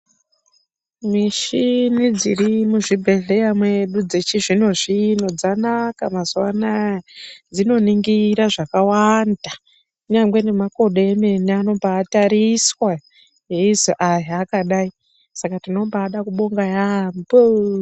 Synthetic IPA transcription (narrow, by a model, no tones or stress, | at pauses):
miʃinid͡zirimuʐibʱe̞ɮe̞jamweɗud͡ze̞t͡ʃiʐino̞ʐino̞d͡zanakamazuwana | d͡zino̞niŋɡiɾaʐakawanda | uɲaŋɡwe̞ne̞mako̞ɗeeme̞niano̞mbaːtaɾiswa | ɦeizoʔajaakaɗai | sakatino̞mbaːɗakuɓo̞ŋɡajambo